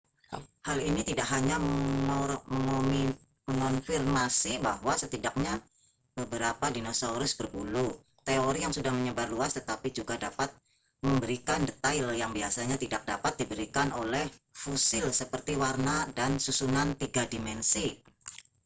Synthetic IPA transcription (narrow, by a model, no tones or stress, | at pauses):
halinit̪idak̚ɦaɲamə | məŋo | məŋɔnfirmasibahwasət̪idak̚ɲa | b̥əbəɾapadinosauɾʊsbərbulu | t̪eoɾijaŋsudahməɲəbarluast̪ət̪apid͡ʒuɡadapat̪̚ | məmbəɾikandət̪aɪljaŋbiasaɲat̪idak̚da̰pat̪̚dibəɾikanolɛhfosɪlsəpərt̪iwarnadansusunant̪iɡadimɛnsi